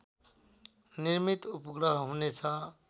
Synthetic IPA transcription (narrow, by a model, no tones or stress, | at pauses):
niɾmit̪upɡɾʌɦɦũnet͡sʰʌ